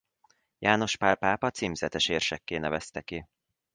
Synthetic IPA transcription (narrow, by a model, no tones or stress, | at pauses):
jʔaːno̞ʃpapaːpɒt̪siːmzɛt̪ɛʃeːrʃɛkːeːnɛvɛst̪ɛki